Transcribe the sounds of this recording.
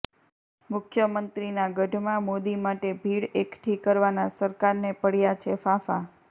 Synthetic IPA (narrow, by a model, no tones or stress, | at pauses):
mʊkʰjəmənt̪ɾinaɡəɖʱmãmod̪imaʈebʱiɽekʈʰikəɾʋanasəɾkaɾnepəɽjat͡ʃʰefafa